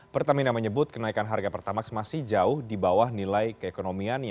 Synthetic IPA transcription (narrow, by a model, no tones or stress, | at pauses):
pərt̪aminaməɲəbʊt̪̚kənaikanɦarɡapərt̪amaksəmasɪhd͡ʒaʊhdibawahnilajkəekonomiana